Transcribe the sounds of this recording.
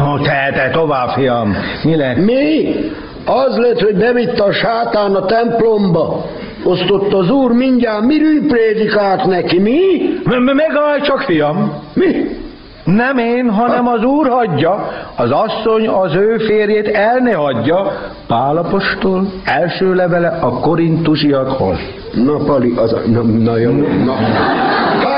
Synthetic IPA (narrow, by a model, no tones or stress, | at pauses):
ot̪ɛt̪ɛt̪ovaːfijɒmmilɛmi | ɒzlɛt̪hoɟbɛvit̪ːɛʃaːt̪aːnɒt̪ɛmplombɒ | ost̪o̞t̪ːɒzuːrmiɲɟaːmiɾyjpreːd̪ikaːlt̪nɛkimimmɛɡɒajt͡ʃɒkfijɒmmi | nɛmeːnɦɒnɛmɒzuːrhɒɟːɒɒzɒsːo̞ɲɒzøːfeːrjeːt̪ɛlneɦɒɟːɒ | paːlɒpo̞ʃt̪olɛlʃøːlɛvɛlɛʔɒko̞ɾint̪uʃiɒt̪ho̰lː | nɒpɒliʔnmnɔjonn